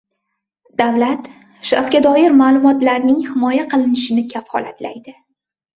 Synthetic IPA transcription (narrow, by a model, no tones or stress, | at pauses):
d̪̥avlat̪ | ʃa̰sɡʲad̪ɒjɪɾmaːlˠʊmɒt̪laɾnɪŋhɪmɒjaqʰɨlˠɪnɪʃɪnɪkʲʰafhɒ̰lat̪la̰jd̪ɪ